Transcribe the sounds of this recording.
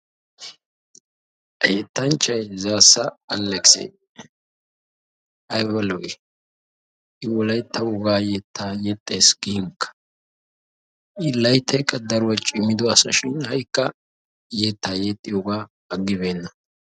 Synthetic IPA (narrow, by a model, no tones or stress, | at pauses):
ʔɐjɛt̪ːɐnt͡ʃːɐjzaːsːɐɐlːɛksḛ | ʔɐjwɐlɔɡɛ | ʔɪwɔlɐjt̪ːɐwɔɡaːjɛt̪ʰːajɛt̪ʼːeːsɡiːŋkːɐ̥ | ʔɪlɐjt̪ːɐjkʼːɐd̪ɐɾwɐt͡ʃʼɪmːɪd̪ɔɐsɐ̰ʃɪnhɐjkːɐ | jet̪ːaːjɛt̪ʼːɪjɔɡaː | ɐɡːɪbeːnːɐ